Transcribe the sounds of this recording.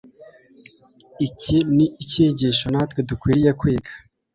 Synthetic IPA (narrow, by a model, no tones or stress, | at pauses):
icʰiniiceːɟiʃonaːt̪wedukwiːɾijekwiːɡḁ